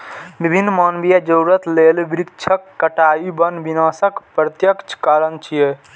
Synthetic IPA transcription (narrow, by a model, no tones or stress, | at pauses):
bibʱinːmanbijad͡ʒəuɾət̪lelbɾikt͡ʃʰəkːəʈajibənbinasəkpɾət̪jəkt͡ʃʰkəɾənt͡ʃʰije